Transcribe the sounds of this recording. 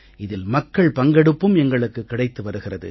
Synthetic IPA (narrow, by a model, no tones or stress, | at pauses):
ɪðɪlmɐkːɐɭpɐŋɡɐɽɯpːɯmɛŋɡɐɭɯkːɯkːɪɽɐɪt̪ːɯʋɐɾɯɣɪrɐðɯ̰